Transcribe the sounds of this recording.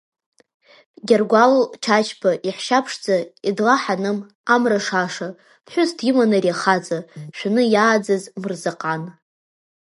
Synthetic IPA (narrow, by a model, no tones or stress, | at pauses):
ɡʲarɡʷalot͡ʃʰat͡ʃʰpʰaʔiħʃapʰʂd͡zaidlaħanɨm | amraʂaʂa | pħʷᶣʊztʰimanariaχad͡zʼaʃᶣanɨjaːd͡zazmɨrzaqʼan